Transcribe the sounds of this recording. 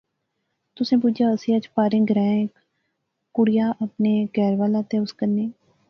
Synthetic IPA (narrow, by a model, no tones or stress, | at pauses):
t̪ʊsẽːpʊd͡ʒjaːəsĩːət͡ʃpaːɾɪ̃ŋɡɾɛ̃ːɪk | kːʊɽɪjaːʔəpneːɡɛːɾʋaːlãːt̪eːʊskənːeː